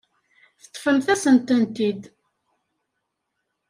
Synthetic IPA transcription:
θət̪ˤːfəmθæsənt̪ənt̪id̪

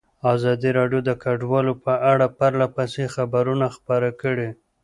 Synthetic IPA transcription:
ɑzɑd̪iɾɑɖjod̪əkaɖwɑlopəʔaɽapaɾlapasexabaɾunaxpəɾakəɽe

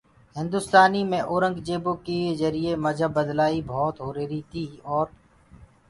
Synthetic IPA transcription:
ɦɪ̃nd̪ʊst̪aːniːmẽːʔoːɾə̃ŋɡd͡ʒeːbõːkeːzəɾieːməd͡ʒʱəbəd̪laːiːbʱɔːt̪ɦoːɾeːɾiːt̪ʰiːɔːɾ

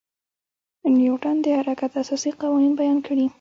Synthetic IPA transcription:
njuʈand̪əhaɾakat̪asɑsiqɑwɑninbajɑnkʰəɽi

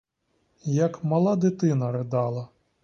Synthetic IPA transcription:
jɐkmɐlˠɑd̪ɪt̪ɪnɐɾed̪ɑlˠɐ

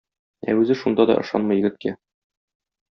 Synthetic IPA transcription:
æ̰ʉzɘʃund̪ɑd̪ɒ̰ʔɤ̆ʃɑ̰nmɤjɘ̆ɡɘ̆t̪̚kæ

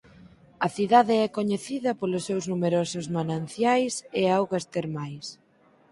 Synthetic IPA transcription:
ɐθiðaðɪɛkoɲeθiðɐpolʊsːewznumeɾɔsʊzmanãn̟θjajsɪawɣast̪eɾmajs

